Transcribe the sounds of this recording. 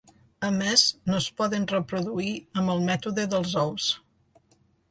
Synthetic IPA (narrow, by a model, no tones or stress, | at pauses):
əmeznospɔðənrəpɾuðuiəmbəlˠmɛt̪uðəðəlˠzɔws